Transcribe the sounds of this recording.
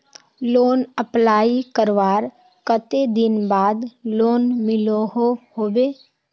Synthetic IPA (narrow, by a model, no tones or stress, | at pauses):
loːnəplaːikəɾʋaːɾ | kət̪ed̪ɪnbaːd̪loːnmɪloɦohoːbeː